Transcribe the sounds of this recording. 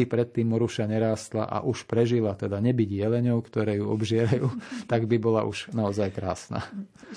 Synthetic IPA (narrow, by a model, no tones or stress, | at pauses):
ipɾɛt̪ːiːmːɔɾuʃaɲɛɾaːst̪la̰ʔa̰ʔuʃpɾɛʒilat̪ɛd̪aɲɛbiɟjɛlɛɲɔʊkt̪ɔɾɛːjuɔbʒɪɛɾajuːt̪aɡbibɔla̰ʔuʃnaɔzajkɾa̰ːsna̰